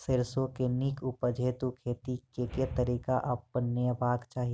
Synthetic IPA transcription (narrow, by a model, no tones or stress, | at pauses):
sɪɾsõkenɪkʰʊpəd͡ʒʱeːt̪ukʰeːt̪ikeket̪əɾiːkaʔɐpːənəbaːɡt͡ʃaːɦi